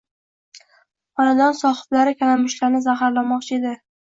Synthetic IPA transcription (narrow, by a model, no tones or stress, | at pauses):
ɒnad̪ɒnsɒχɨ̥blaɾɪkʲʰanamʊʃlaɾnɪzaɦaɾlamɒq̚t͡ʃʰɪed̪ɪ